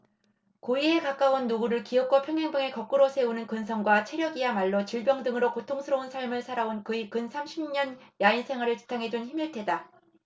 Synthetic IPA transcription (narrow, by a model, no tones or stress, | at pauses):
koiekak͈aonːuɡuɾɯɭkiʌk͈wʌpʰjʌŋjaŋbɯŋe̞kʌk͈̚ɯɾosʰe̞unɯnkɯnsʰʌŋɡwat͡ɕʰe̞ɾjʌɡijamaɭːot͡ɕiɭbjʌŋdɯŋɯɾokotʰoŋsʰɯɾʌunsʰaɭmɯɭsʰaɾaonkɯikɯnsʰamɕʰimɲʌnjainsʰe̞ŋɦwaɾɯɭt͡ɕi̥tʰaŋɦe̞d͡ʑunçimiɭtʰe̞da